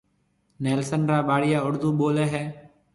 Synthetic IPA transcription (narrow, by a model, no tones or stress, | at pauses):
nɛːlsənɾaːɓaːɽɪjaːʊɽd̪uːɓoːleːɦɛː